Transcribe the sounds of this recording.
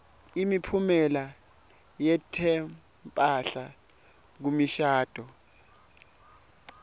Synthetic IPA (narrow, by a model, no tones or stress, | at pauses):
imipʰumɛla | jɛtʰɛ | mpʼaɬa | k̬umiʃaːd̥ʱɔ